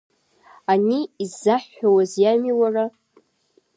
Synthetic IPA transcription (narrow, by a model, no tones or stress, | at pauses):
aniːzːaħawazjamiwara